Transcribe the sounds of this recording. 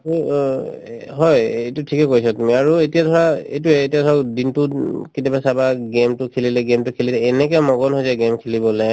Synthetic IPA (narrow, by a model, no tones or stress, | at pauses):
ɦɔjejtutʰikɛkojsɔtumiaɹuetijadʱɔɹaḛjtuɛːtijadʱɔɹadintukitabasabaɡemtʊkʰililɛɡemtʊkʰililɛːnɛk̬ɛmɔɡɔnɦɔjzɛɡɛmkʰilibɔlɛ